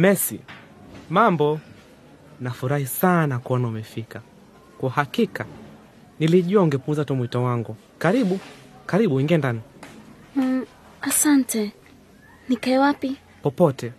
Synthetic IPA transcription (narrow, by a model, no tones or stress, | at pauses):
mɛsi | mambɔ | nafuɾahisanakɔnaumɛfika | kwahakika | niliʄuaŋɡɛpunzatɔmwitɔwaŋɡu | kaɾiɓu | kaɾiɓuiŋɡɛndani | asantɛ | nikaɛwapi | pɔpɔtɛ